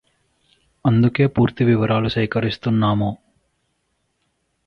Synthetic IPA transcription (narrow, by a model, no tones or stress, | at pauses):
ɐnd̪uke̞ːpuːɾt̪iʋiʋɐɾaːlusɐjkɐɾist̪unːaːmuː